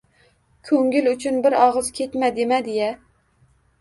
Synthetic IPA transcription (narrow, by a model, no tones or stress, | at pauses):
kʲʰøŋɡʲylyt͡ʃʰynbɪɾɑʁəzkʲʰet̪mɛd̪ɪmɛd̪ejɛ